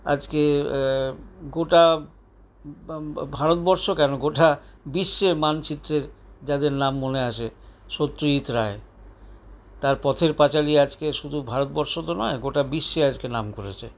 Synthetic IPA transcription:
a̰d͡ʑke | ɡoʈa | bʱaɾot̪bɔɾʃokɛnoɡoʈabiʃːemant͡ɕit̪ːɾeɾd͡ʑad̪eɾnamːoneaʃeʃot̪ːɾoit̪ɾae | t̪aɾpɔt̪ʰeɾpat͡ɕaliad͡ʑkeʃud̪ʱubʱaɾot̪̚bɔɾʃot̪onɔeɡoʈabiʃːead͡ʑkenamkoɾḛt͡ɕʰḛ

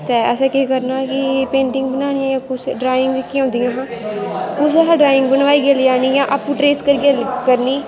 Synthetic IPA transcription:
t̪ɛːəsɛ̃ːkeːkəɾnaːkɪpẽːɳɖɪŋɡ̚bənaːnɪjãːjãːkʊsɖɾaːɪŋɡikiːõːnd̪ijãːɦãːkʊs̬ɦãːɖɾaːɪŋɡbənʋaːiːɡeaːlɪjaːniːjãːʔaːpũːʈɾeːskəɾɡelkəɾniː

